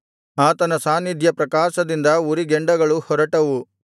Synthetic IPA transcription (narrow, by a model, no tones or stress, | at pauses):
aːt̪ɐnɐsaːnːid̪ʱjɐpɾɐkaːʃɐd̪ind̪ɐuɾiɡeɳɖɐɡɐɭuhɔɾɐʈɐʋu